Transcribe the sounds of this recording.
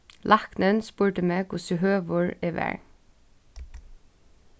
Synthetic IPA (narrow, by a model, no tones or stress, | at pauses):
lʔɑknənspuːɹʈəmeːkʰʊsʉɦøːʋʊɹɛːʋæ̰ɹ